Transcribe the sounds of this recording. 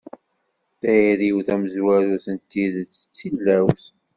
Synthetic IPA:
θæjiɾiwθæməzwæɾuθənt̪ːiðt͡sːə̥t͡sːilːæwθ

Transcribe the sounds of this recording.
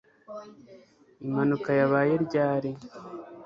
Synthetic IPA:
imanukajaβaːje̞ɾɟaːɾe

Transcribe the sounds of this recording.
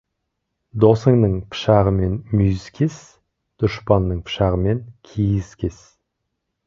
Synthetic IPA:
d̪osəŋnəɴpʰə̥ʃɑʁəme̞nmijskʲʰes | d̪̥ʊʃpɑnːəɴpʰə̥ʃɑʁəme̞ŋkʲʰijɪskʲʰe̞s

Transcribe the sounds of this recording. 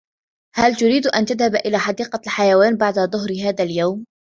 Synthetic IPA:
halt̪ʊɾiːd̪ʔa̰nt̪aðhabʔɪlaːħɑd̪iːqɑlħajawaːnbaʕd̪aðˤʊɦɾɦaːðaljawm

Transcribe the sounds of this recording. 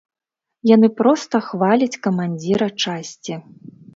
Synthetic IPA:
janɨpɾɔst̪ɐxvalʲit͡sʲkɐmanʲd͡zʲiɾɐt͡ʂasʲt͡sʲi

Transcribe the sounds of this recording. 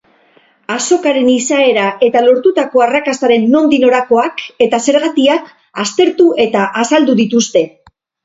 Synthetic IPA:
aso̞kaɾe̞nisae̞ɾaʔe̞t̪alo̞ɾt̪ut̪ako̞arakast̪aɾe̞nːo̞nd̪ino̞ɾako̞ake̞t̪ase̞ɾɣat̪iak | ast̪e̞ɾt̪uʔe̞t̪aʔasald̪uðit̪ust̪e̞

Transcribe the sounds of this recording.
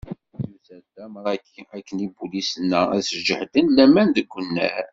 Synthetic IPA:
mzæld̪æmɾˤɑ | ækːənibulisənːææ̰səd͡ʒəħd̪ənlæmænd̪əɡʷːənːæ̰ɾ

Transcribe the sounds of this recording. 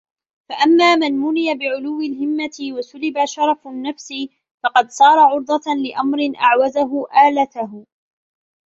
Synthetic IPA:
faʔamːaːmanmʊnɪjabɪʕʊlʊwːɪlɦɪmːat̪ɪwasʊlɪbaʃɑɾˤɑfnːafsi | fɑqɑd̪sˤɑːɾˤɑʕʊɾd̪ˤɑlɪʔamɾɪnʔa̰ʕwazaɦʊʔaːlat̪aɦ

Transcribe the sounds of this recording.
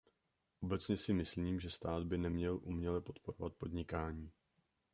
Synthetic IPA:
ʔo̞bɛt͡sɲɛsɪmɪsliːmʒɛst̪aːd̪bɪnɛmɲɛlʔumɲɛlɛpo̞t̪po̞ɾovat̪̚po̞d̪ɲɪkaːɲiː

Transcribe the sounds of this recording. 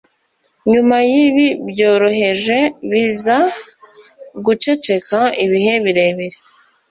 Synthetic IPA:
ɲumajiβibjo̞ːɾo̞ɦe̞ʒe̞βiza | ɡut͡ʃe̞t͡ʃe̞kaiβihe̞βiɾe̞βiɾe

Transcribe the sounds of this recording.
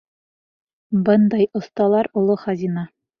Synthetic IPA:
bɤnd̪ɑjŏst̪ɑlˠɑɾulˠoχɑzʲinɑ

